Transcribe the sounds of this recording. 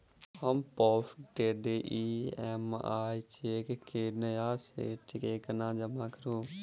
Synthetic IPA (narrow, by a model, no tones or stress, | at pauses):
həmpɔːfʈeːɖeːʔiːɛma̰ːit͡ʃeːkkeːnəjaːsḛːʈʰɪkeːkənãːd͡ʒəmaːkəɾoː